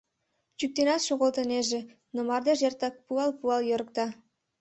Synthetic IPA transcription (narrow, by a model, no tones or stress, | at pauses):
t͡ɕyk̚t̪enɑt̪ʃoɣolt̪əneʒe | nomɑrd̪eʒert̪ɑk̚puɑlpuɑljøɾək̚t̪ɑ